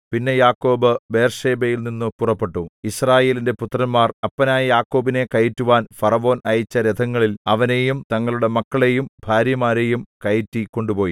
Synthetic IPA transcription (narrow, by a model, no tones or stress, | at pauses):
pinːe̞jaːkːo̞ːbɨbe̞ːrʂe̞ːbejilninːɨpurɐpːe̞ʈːuisraːje̞ːlinde̞put̪rɐnmaːrɐpːɐnaːjɐjaːkːo̞ːbine̞kɐjitːuʋaːnfɐrɐʋo̞ːnɐjit͡ɕːɐɾed̪ʰʱɐŋːɐɭilɐʋɐne̞jumt̪ɐŋːɐɭuɽe̞mɐkːɐɭe̞jumbʱaːɾjɐmaːɾe̞jumkɐjitːikːo̞ɳɖupo̞ːji